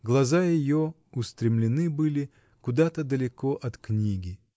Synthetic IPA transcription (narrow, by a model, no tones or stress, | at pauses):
ɡlˠɐzajɪjo | ʊst̪ɾʲɪmlʲɪnɨbɨlʲɪ | kʊd̪at̪əd̪əlʲɪkoʔɐt̪knʲiɡʲɪ